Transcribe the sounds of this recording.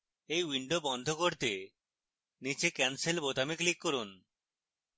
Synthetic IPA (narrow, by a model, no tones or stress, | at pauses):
ejwiɳɖobɔnd̪ʱokoɾt̪e | nit͡ʃekɛnselbot̪amiklikːoɾun